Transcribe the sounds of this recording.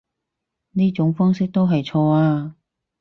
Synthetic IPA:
niː˥t͡ʃʊ˨˥ŋfɔː˥ŋsɪ˥k̚t̪o˥wɦɐ˨jt͡ʃʰɔː˧aː˧

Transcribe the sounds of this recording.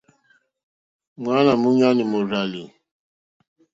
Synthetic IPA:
ŋa˦na˨mu˦ɲa˦ni˨mo˨ra˨li˨

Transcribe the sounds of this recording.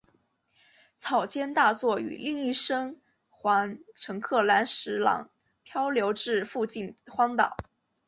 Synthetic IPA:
t͡sʰɑ˨˩ʊt͡ɕjɛ˥nt̪a˥˧t͡swɔ˥˩y̰˨˩li˥˧ŋi˥˩ʂɤ˥ŋ | xwa˧˥nʈ͡ʂʰɤ˧˥ŋkʰɤ˥˩la˧˥nʂɻ̩˧˥lɑ̰˨˩˦ŋ | pʰjɑ˥ʊljo˧˥ʊʈ͡ʂɻ̩˥˧fu˥˧t͡ɕi˥˩nxwɑ˥ŋt̪ɑ̰˨˩˦ʊ

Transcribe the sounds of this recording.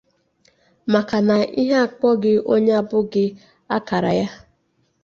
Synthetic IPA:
ma˨ka˨na˨ʔi˦ɦa˦a˨k͡pɔ˦ɡɪ˦o˦ɲe˦a˦bʊ˦ɡɪ˦ | a˦ka˨ɾa̰˨ja˦

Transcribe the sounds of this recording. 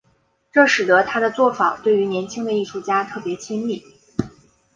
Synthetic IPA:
ʈ͡ʂɤ˥˩ʂɻ̩˨˩t̪ə˧˥t̪ʰa˥d̪ə˨t͡swɔ˥˩fa˨˩˦t̪we˥˩ɪy˧˥njɛ˧˥nt͡ɕʰi˥ŋd̪ə˨i˥˧ʂu˥˩t͡ɕja˥t̪ʰɤ˥˩pjɛ˧˥t͡ɕʰi˥ŋli˥˩

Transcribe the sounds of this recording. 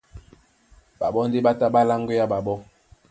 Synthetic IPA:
ba˨ɓɔ˦n̩˦di˦ba˦ta˦ɓa˦la˦ŋɡo˦ja˦ɓa˨ɓɔ˦

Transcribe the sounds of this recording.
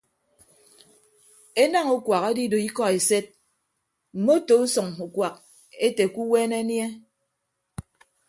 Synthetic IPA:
e˦na˦ŋu˦kwa˨ke˦di˦do˨i˦kɔ˦e˨se˦t̚ | m̩˨mo˦to˨u˦sɔ˨ŋu˨kʷwa˨k̚ | e˦te˨ku˦weː˦ne˦nje˦

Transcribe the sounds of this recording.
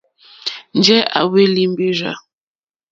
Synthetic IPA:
n˦d͡ʒɛ˦a̰˨we˦li˦m˦be˦ʒa̰˨

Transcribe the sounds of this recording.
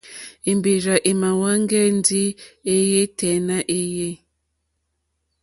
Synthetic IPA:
i˨mbi˨ɾa˨ʔe˨ma˨wa˦ŋɡɛ˦n˦di˦e˦je˦tɛ˨na˦ʔe˦je˦

